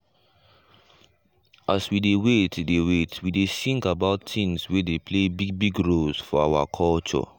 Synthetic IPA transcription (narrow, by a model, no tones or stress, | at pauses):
ʔaswidewetdewetwidesĩŋkabaʊtĩnswedepʰlebiɡ̚biɡɹolsfɔawa̰kʰɔlt͡ʃɔ̰